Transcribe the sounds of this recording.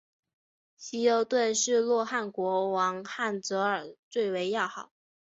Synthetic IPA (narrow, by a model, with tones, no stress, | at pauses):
ɕi˧˥jo˧˥ʊt̪we˥˧nʂɻ̩˥˧lwɔ˥˧xa˥˩nkwɔ˧˥wɑ˧˥ŋxa˥˩nt͡sɤ˧˥ə˞˨˩t͡swe˥˩ɪwe˧˥ɪjɑ˥˩ʊxɑ˨˩˦ʊ